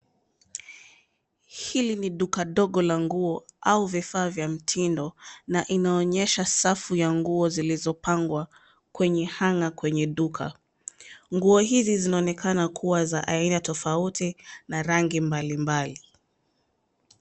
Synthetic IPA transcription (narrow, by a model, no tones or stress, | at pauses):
hiliniɗukaɗɔɠɔlaŋɡuɔauvifaːvjam̩tʰindɔnaʔinaɔɲɛʃasafujaŋɡuɔzilizɔpaŋɡwa | kwɛɲɛhaŋakwɛɲɛɗukʰa̰ | ŋɡuɔɦizizinaɔnɛkʰanakʰuwazaʔainatɔfautinaɾaŋɡimbalimbali